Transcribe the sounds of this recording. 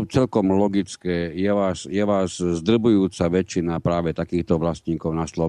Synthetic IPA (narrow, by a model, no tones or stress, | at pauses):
t͡sɛlkɔmlɔɡit͡skɛːjɛʋaːsjɛʋaːzzd̪r̩bujuːt͡saʋɛt͡ʃːinapɾaːʋɛt̪akiːxt̪ɔʋlasɲiːkɔʊnaslɔ